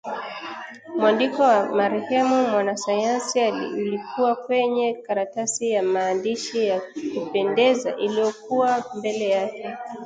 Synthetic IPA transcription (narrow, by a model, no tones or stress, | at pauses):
mwandikɔwamaɾɛhɛmumwanasajansialḭulikuwakwɛɲɛkaɾatasijamaːndiʃijakupɛndɛza̰ʔilijɔk̚uwambɛlɛjakɛ